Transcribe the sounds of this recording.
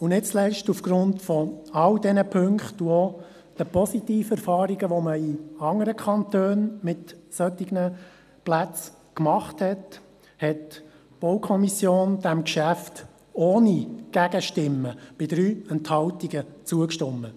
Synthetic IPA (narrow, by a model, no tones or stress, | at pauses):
ʊnɪt̚t͡slɛʃtufɡ̥ɾʊntfɔɑldɛnəpʰɵŋkχtuɔ | d̥əpɔsit̪iːfəɛɾfɑːɾiɡəʋɔməiɑŋəɾəkʰχɑntøːnmɪtsœt̪ːiɡnə | plæt͡s | kmɑχthɛt | hɛt | b̥ɔwkʰɔmisjoːnd̥̪æmkʃæft | oːniɡ̥æɡəʃtɪmːəb̥ɪd̪ɾyːɛnthɑltiɡət͡suəkʃtʊmːə